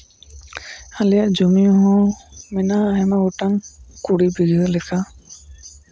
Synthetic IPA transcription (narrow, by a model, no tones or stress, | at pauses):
alɛjaʔd͡ʒomiɔɦɔ̃mɛnaːɦɛmaɡɔʈaŋkuɽibiɡɯɯlɛkʰa